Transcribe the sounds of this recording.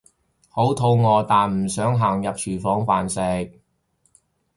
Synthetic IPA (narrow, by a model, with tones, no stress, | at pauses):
ho˨˥wt̪ʰo˧wŋɔː˨˧t̪aː˨nm̩˨˩sœː˨˥ŋɦaː˨˩ŋjɐ˨p̚t͡ʃʰyː˨˩fɔː˨˥ŋfaː˨nsɛː˨˧k̚